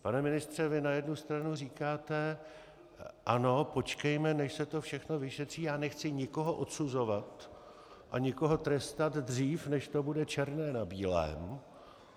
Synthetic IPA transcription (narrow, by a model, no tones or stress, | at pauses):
panɛmɪnɪst̪r̝̥ɛvɪnajɛdnust̪ɾanuriːkaːt̪ɛ | ʔano̞po̞t͡ʃkɛjmɛnɛʃsɛt̪o̞fʃɛxno̞vɪʃɛt̪r̝̥iːjaːnɛxt͡sɪɲɪko̞ɦo̞ʔo̞t̪suzo̞vat̪ | ʔaɲɪko̞ɦo̞t̪ɾɛst̪ad̪d̪riːfnɛʃt̪obudɛt͡ʃɛɾnɛːnabiːlɛ̰m